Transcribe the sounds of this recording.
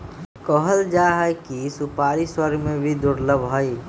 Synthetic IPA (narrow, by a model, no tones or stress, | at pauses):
kəɦəld͡ʒaɦəjkisʊpaːɾiswəɾɡʱmẽbʱid̪ʊɾləbʱɦəi